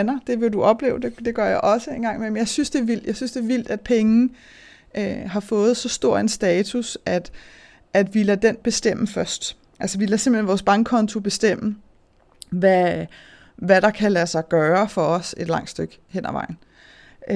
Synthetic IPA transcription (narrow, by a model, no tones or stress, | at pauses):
nɐd̥e̝ʋe̝duʔɒ̽b̥le̝̰ːʊd̥e̝d̥e̝ɡ̥ɶɐ̰jɑ̈ʔɒ̽səe̝nɡ̥ɑ̈ŋ̰memnjɑ̈ɪsynsd̥e̝ːɐʋil̰d̥jɑ̈ɪsynsd̥e̝ːɐʋil̰d̥æd̥̚pʰeŋn̩ | ʔøɦɑ̈fɔ̽ːð̞̩ˠsɒ̽sd̥o̝ɐ̰densd̥ɛːt͡sʰusæd̥ | ʔæd̥ʋilæd̥en̰b̥e̝sd̥em̰əfɶɐsd̥ | ʔælsəʋilæse̝mb̥l̥enʋɒːsb̥ɑ̈ŋɡkʰːɒ̽nt͡sʰo̝b̥e̝sd̥em̰ə | ʋæ | ʋæɾ̥ɑ̈kʰælæsɑ̈ɪɡ̥ɶːɐfɒ̽ɒ̽se̝d̥lɑ̈ŋ̰d̥sd̥øɡ̥ | hen̰æʋɑ̈ɪ̰n̩